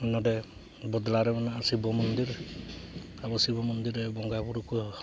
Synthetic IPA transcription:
nɔdɛ | bɔd̪laɾɛmanɔasibɔmɔnd̪iɾ | abɔsibɔmɔnd̪iɾɛbɔŋɡabuɾuku

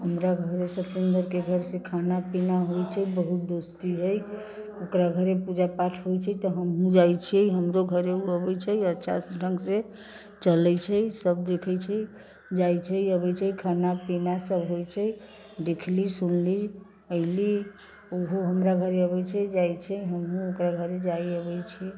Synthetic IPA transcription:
ɦəmɾaɡʱəɾesət̪end̪əɾkeɡʱəɾsẽkʰanapinaɦojt͡ʃʰəbəɦut̪̚d̪ost̪iɦəj | okɾaɡʱəɾepud͡ʒapaʈʰɦojt͡ʃʰɛt̪ɔɦəmɦũd͡ʒajt͡ʃʰiɛɦəmɾoɡʱəɾeuəbɛjt͡ʃʰəiətːʃʰa̰sɖʱəŋɡsẽ | t͡ʃələjt͡ʃʰəsəb̚d̪ekʰəjt͡ʃʰə | d͡ʒajt͡ʃʰəiəβəjt͡ʃʰəikʰanapinasəbɦojt͡ʃʰəj | d̪ekʰlisunli | əɦɪli | oɦoɦəmɾaɡʱəɾeəβət͡ʃʰəd͡ʒajt͡ʃʰəɦəmɦũokɾaɡʱəɾed͡ʒajəβəjt͡ʃʰɛ

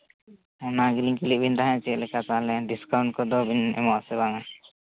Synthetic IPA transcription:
ɔnaɡiliŋkiliʔ̚bʱind̪aɦãɲat͡ʃɛt̪̚lɛkat̪alɛɖiskawɳʈ̚kɔd̪ɔbʱinɛ̰mɔʔsɛbaŋa

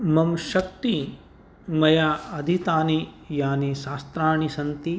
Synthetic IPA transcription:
mɐmʃɐk̚t̪i | mɐjaːɐd̪ʱit̪aːnijaːniʃaːst̪ɾaːɳisɐnt̪i

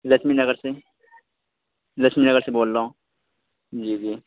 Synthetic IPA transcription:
lɐsminɐɡəɾse | lɐsminɐɡəɾseboːlːaõ | d͡ʒiːd͡ʒiː

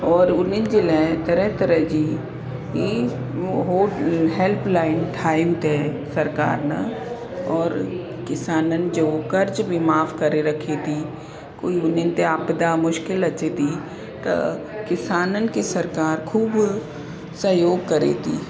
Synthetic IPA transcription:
ɔːɾʊnɪnd͡ʒɪlɛt̪ɐɾɛt̪əɾəd͡ʒi | i | ɦoːɦelpʰlaːɪnʈʰaːɪmt̪e | sɐɾka̰ːɾna̰ | ɔːɾ | kɪsaːnənd͡ʒoːkɐɾd͡ʒbʱimaːfkɐɾeɾɐkʰet̪ʰi | ko̰ːiʊnɪnt̪eapd̪amʊʃkɪlɐt͡ʃet̪i | t̪ɐ̰ | kɪsaːnənkisɐɾkaːɾkʰuːb | səjoːɡ̚kɐɾḛt̪ʰḭː

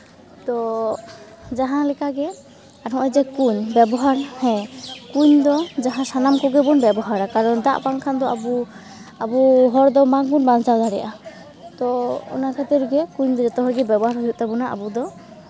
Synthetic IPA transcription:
t̪ɔ | d͡ʒaɦãlɛkaɡɛ | aɾʰɔ̃ʔɔd͡ʒɛkuɲbɛbɔɦaɾhɛ̃kuɲd̪ɔd͡ʒaɦãsanamkɔɡɛbɔnbɛbɔɦaɾakaɾɔnd̪a̰ʔpaŋkʰand̪ɔa̰bu | abuɦɔɾd̪ɔmaŋbunbant͡ʃad̪aɾɛ̰ʔa | t̪ɔṵnakʰat̪ɛɾɡɛkuɲd̪ɔd͡ʒɔt̪ɔɦɔɾɡɛbɛbɔɦaɾɦɔjut̪̚t̪ɛbɔnaʔa̰bud̪ɔ

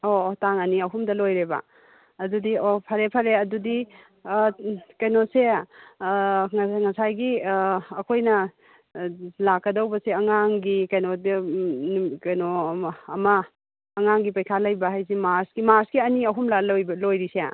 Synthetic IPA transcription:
otaŋɐniɐɦumdɐlojɾebɐ̰ | ɐdudiopʰɐɾepʰɐɾeɐdudi | kɐjnose | ŋŋɐsajɡiː | kʰojnɐ | lakːɐdɐwbɐseɐŋaŋɡikɐjnod | kɐjnoːmɐː | ŋaŋɡipɐjkʰalɐjbɐɦajzimaɾsɡimaɾsɡiɐniɐɦumlaljblojɾisea̰

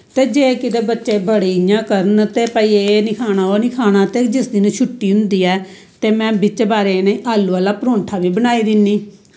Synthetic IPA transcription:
t̪eːd͡ʒeːkɪd̪eːbətːʃeːbəɽiɪjãːkəɾənt̪eːpəiːenɪkʰaːnaːoːnɪkʰaːñaːt̪eːd͡ʒɪsd̪inũːt͡ʃʰʊʈːiːɦʊnd̪iːɛː | t̪eːmɛ̃ːbɪt͡ʃbaːɾeːneːʔaːlːuːaːlaːpəɾõːɳʈʰaːʋiːbənaːiːd̪ɪnːiː

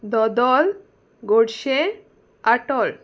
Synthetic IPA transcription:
d̪ɔd̪ɔl | ɡoɽʃe | aʈɔl

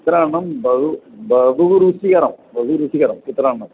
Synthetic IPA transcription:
it̪ːɾaːɳɳɐmbɐubɐʋuɾusiɣɐɾɐmbɐʋuɾusiɣɐɾɐmit̪ːɾaːɳɳɐm

